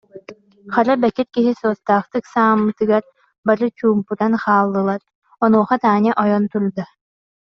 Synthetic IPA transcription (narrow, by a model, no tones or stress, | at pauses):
χaɾabɛkit̪kiɦisɔːst̪aːχt̪ɯksaːmːɯt̪ɯɡaɾ | baɾɯt͡ɕuːmput̪anχaːlˠːɯlˠaɾ | ɔnuɔχat̪aːnʲiʔɔjɔnt̪uɾd̪a